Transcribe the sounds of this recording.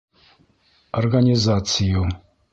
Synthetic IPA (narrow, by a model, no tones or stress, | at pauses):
orɡanʲizat̪t͡sʰiju